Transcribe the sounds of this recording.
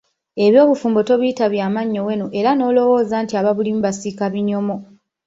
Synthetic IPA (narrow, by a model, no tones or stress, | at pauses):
e̞βjo̞ːβufuːmbo̞to̞βiitaβjaːmaɲːo̞we̞noʔe̞ɾano̞ːlo̞wo̞ːzaːntiaβaβulimuβasikaβiɲo̞mo̞